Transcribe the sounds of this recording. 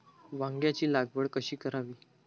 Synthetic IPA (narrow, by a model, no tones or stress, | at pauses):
ʋãŋɡjat͡ɕiːlaɡʋəɽkəɕiːkəɾaʋiː